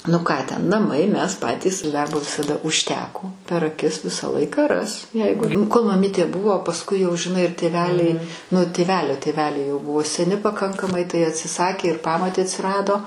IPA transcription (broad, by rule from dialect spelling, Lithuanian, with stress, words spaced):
nʊ ˈkɑː tʲɛn nɐˈmɐɪ ˈmʲɛs ˈpɑːtʲiːs ˈdɐrboː ʋʲɪsɐˈdɐ ʊʃʲˈtʲæːkoː pʲɛr ɐˈkʲɪs ˈʋʲɪsɑː ˈlˠɐɪkɑː ˈrɐs ˈjɛɪɡʊ koːlˠ mɐˈmʲiːtʲeː ˈbʊʋoː pɐsˈkʊɪ jɛʊ ʒʲɪˈnɐɪ ɪr tʲeːˈʋʲæːlʲɛɪ nʊ tʲeːˈʋʲæːlʲoː tʲeːˈʋʲæːlʲɛɪ jɛʊ ˈbʊʋoː sʲɛˈnʲɪ pɐˈkɐŋkɐmɐɪ tɐɪ ɐtʲsʲɪˈsɑːkʲeː ɪr ˈpɑːmoːtʲeː ɐtʲsʲɪˈrɑːdoː